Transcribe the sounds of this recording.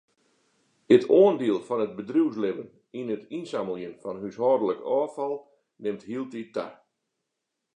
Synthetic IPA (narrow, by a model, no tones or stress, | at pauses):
ətʰoəndiəlˠfɔnət̚bədruws̬lɪvən | inətinsaməlˠjənfɔnhyshɔːdələkɔːfɔlˠ | nɪmthilˠtita̰